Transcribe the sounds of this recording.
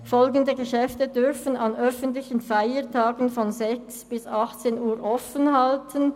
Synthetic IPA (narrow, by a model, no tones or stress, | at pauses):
fɔlɡəndəɡəʃɛftədʏʁfənɑnœfəntlɪçənfaɪətʰaːɡənfɔnzɛksb̥ɪsɑχt͡seːnuːʁʔɔfənhɑltʰən